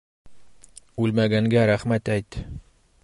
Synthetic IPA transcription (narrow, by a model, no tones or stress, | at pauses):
ʉlmæɡæŋɡæɾæχmæt̪æjt̪